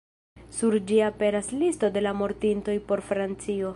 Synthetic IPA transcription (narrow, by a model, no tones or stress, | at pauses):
suɾd͡ʒiape̞ɾaslisto̞de̞lamo̞ɾtinto̞jpo̞ɾfɾant͡sio̞